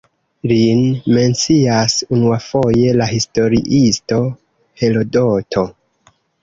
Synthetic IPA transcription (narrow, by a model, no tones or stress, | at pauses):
linme̞nt͡siasunuafo̞je̞lahisto̞ɾḭʔisto̞ | he̞lo̞dotʰo̞